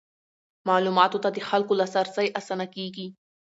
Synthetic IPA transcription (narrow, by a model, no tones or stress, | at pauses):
maʕluːmaːt̪ut̪at̪ixalkulasaɾˤsajʔasanakiːki